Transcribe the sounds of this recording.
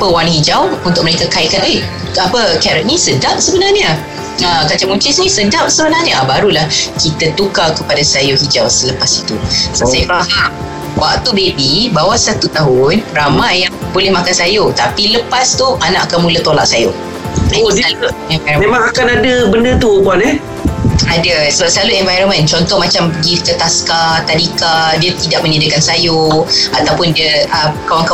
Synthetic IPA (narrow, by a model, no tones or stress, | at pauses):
pəwanhid͡ʒawunt̪ʊk̚mənekakaikano | apəkɛɾɛʔ̚nisədap̚səbənarɲə | əkat͡ʃaŋũt͡ʃɪsnĩsədap̚səbənarɲəbaɾulahkit̪at̪ukakəpadasajoɦid͡ʒawsələpasit̪uasajfaha | wa̰k̚t̪ubebibawasat̪ut̪aɦʊnramajjaŋbolɛhmakansajot̪apiləpast̪uʔanaʔakanmulət̪ola̰ʔsajo | aaluɛnvajɾomemãŋakanadəbəndət̪upuanɛ | adəsəbap̚səlaluɛnvajɾənmə̃nt͡ʃɔnt̪ɔʔmat͡ʃampəɡikət̪askat̪adikadiət̪idaʔmənidəkansajoat̪awpʊndiəəkawaŋka